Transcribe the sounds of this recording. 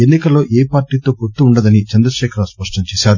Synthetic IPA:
enːikɐlːo̞ːʔeːpaːɾʈiːt̪o̞ːpoɾt̪ːuːɳɖɐd̪ɐnit͡ʃɐnd̪ɾɐʃɛːkʰɐɾɐspɐʂʈɐɲt͡ʃeːsaːɾu

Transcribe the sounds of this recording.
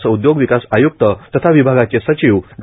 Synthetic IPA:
t͡səud̪joɡʋikasajuk̚t̪ət̪ət̪ʰaʋibʱaɡat͡sesət͡ɕiʋɡ

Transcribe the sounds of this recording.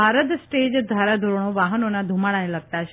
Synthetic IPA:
aɾət̪sʈed͡ʒd̪ʱaɾad̪ʱuɾɽ̃oʋaɦənonad̪ʱumaɽ̃aeləɡ̚t̪aʃ

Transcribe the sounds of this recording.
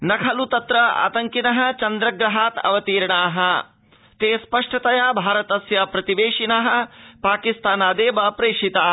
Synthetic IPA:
nɐkʰɐlut̪ɐt̪ɾɐa̰ːt̪ɐŋkinɐɦɐ̆t͡ʃɐnd̪ɾɐɡɾɐɦaːt̪ɐ̰ʋɐt̪iːɾɳaːɦɐ̆ | t̪eːspɐʂʈɐt̪ɐjaːbʱaːɾɐt̪ɐsjaːpɾɐt̪iʋeːʂinɐɦɐ̆paːkist̪aːnaːd̪eːʋɐpɾeːʂit̪aː

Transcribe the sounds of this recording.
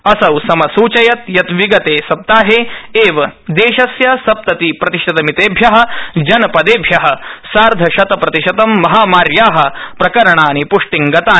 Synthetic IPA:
ɐsɐwsɐmɐsuːt͡ʃɐjɐt̪jɐt̪ʋiɡɐt̪eːsɐp̚t̪aːɦeːeːʋɐd̪eːʃɐsjɐsɐp̚t̪ɐt̪ipɾɐt̪iʃɐt̪ɐmit̪eːbʱjɐɦɐ̆d͡ʒɐnɐpɐd̪eːbʱjɐɦɐ̆saːɾd̪ʱɐʃɐt̪ɐpɾɐt̪iʃɐt̪ɐmːɐɦaːmaːɾjaːɦɐ̆pɾɐkɐɾɐɳaːnipuʂʈiŋɡɐt̪aː

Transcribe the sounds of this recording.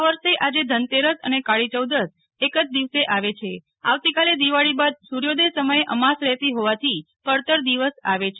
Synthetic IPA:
aʋəɾʃeʔad͡ʒed̪ʱənt̪eɾəsə̰nekaɭit͡ʃəwd̪əs | ekəd͡ʒd̪iʋseʔaʋet͡ʃʰe | a̰ʋt̪ikaled̪iʋaɭibad̪suɾjod̪esəməjeʔəmasɾɛɦt̪iɦoʋat̪ʰi | pəɾt̪əɾd̪iʋəsa̰ʋet͡ʃʰ

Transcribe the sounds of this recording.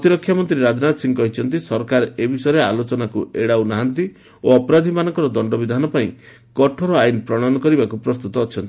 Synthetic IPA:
ɔt̪iɾɔkʰːjamɔnt̪ɾiɾad͡ʒɔnat̪ɔsiŋkɔɦit͡ʃʰɔnt̪̬isɔɾkaɾebʱisɔjɾealot͡ʃɔnakuʔeɽawnaɦant̪i | oɔpɔɾad̪ʱimanɔŋkɔɾɔd̪ɔɳɖɔbid̪ʱanɔpaĩ | kɔʈʰɔɾɔajnpɾɔɽ̃anɔkɔɾibakupɾɔst̪ut̪ɔːt͡ʃʰɔnt̪i̥

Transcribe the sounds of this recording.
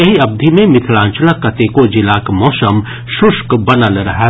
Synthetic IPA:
ɐɦiɐb̚d̪ʱimẽmɪt̪ʰlãːnt͡ʃənakɐt̪ekod͡ʒɪlaːkmɔːsəm | ʃʊʃkbɐnaləɾɐɦa

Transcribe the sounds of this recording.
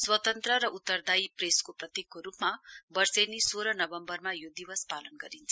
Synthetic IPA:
swʌt̪ʌnt̪rʌɾʌʔut̪ːʌrd̪ajpreskoprʌt̪ikːoɾupmabʌrsenisoɾʌnʌbʌmbʌrmajod̪ibʌspalʌnɡʌɾint͡sʰʌ̥

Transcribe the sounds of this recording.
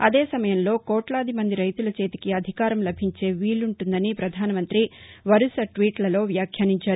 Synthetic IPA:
ɐd̪e̞ːsɐmɐjɐmlo̞ːkɔːʈlɐːd̪imɐnd̪iɾɐjt̪ulɐt͡ʃe̞ːt̪i̥kiɐd̪ʱikaːɾɐmlɐbʱiɲt͡ʃe̞ːʋiːluɳʈund̪ɐnipɾɐd̪ʱaːnɐmɐnt̪ɾiʋɐɾusɐʈʋiːʈlɐlo̞ːʋjaːkʰjɐːniɲt͡ʃaːɾu

